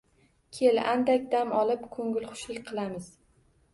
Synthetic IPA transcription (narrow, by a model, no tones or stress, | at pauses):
kʲʰelʔand̪akʲd̪amɒlˠɪpkʰɵŋʲɪlˠχʊ̥ʃlɪkʲqʰɨlˠamɪz̥